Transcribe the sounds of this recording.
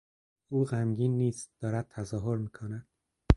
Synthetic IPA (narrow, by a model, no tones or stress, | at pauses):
ʔuːɣæmɟiːnːiːst̪̚d̪̥ɒːɾæd̪̚t̪ʰæzɒːɦoɾmiːkʰonæd̪̥